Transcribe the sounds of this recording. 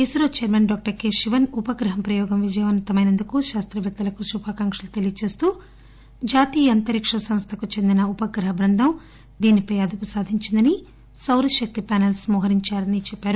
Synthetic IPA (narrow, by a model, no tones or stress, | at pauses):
isɾoːt͡ʃɛɾmɐnɖɔːk̚ʈɐɾkeːiʋɐnupɐɡɾɐɦɐmpɾɐjɔːɡɐmʋid͡ʒɐjɐmɐnɐt̪ɐmɐjnɐnd̪ukuʃaːst̪ɾɐʋɛk̚t̪ɐlɐkuʃubʱaːkɐŋkʂɐlut̪elijɐt͡ʃe̞ːst̪uː | d͡ʒaːt̪iːjɐɐnt̪ɐɾikʂɐsɐmst̪ʰɐkut͡ʃe̞nd̪inɐupɐɡɾɐɦɐbɾɐnd̪ʱɐm | d̪iːnipɐjɐd̪upusaːd̪ʱiɲt͡ʃind̪ɐni | sɐwɾɐʃɐk̚t̪ipaːnelsmɔːɦɐɾiɲt͡ʃaːɾɐnit͡ʃɛpːaːɾu